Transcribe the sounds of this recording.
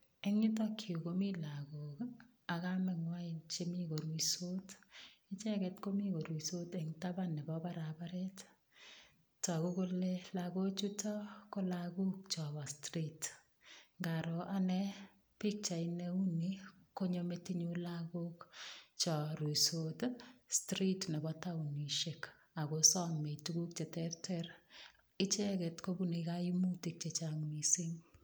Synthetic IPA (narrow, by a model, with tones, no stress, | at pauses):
ɛ˦ŋi˦tɔ˦kʰjo˨komi˦la˨ɡo˨k | a˨ka˦mɛ˨ŋwa˦ɪ˨nt͡ʃe˦mi˦ko˨ɾwi˨so˦tɪ˦t͡ʃɛ˦kɛ˨tko˦mi˦ko˨ɾwi˨so˦tɛ˨ŋta˦banɛ˨bɔ˦ba˦ɾaba˦ɾɛ˦t | tːɔ˨ko˦ko˦le˦laɡo˦t͡ʃu˦tɔ˦ko˦laɡu˦k̚t͡ʃɔ˨bɔ˨stɾit | ŋɡaɾo˨ʔanɛ˦ | pi˦k̚t͡ʃa˨ineu˦niko˦ɲo˦me˦ti˦ɲu˦lako˦kt͡ʃɔ˨ɾu˨sotstri˦tne˨bɔta˦uni˨ʃek | a˨kosɔ˦mme˨tuku˦k̚t͡ʃe˨tɛrtɛr | ɪ˦t͡ʃɛ˦kɛ˨tko˦bune˨kai˦mu˦ti˨k̚t͡ʃe˨t͡ʃaŋmi˨si˦ŋ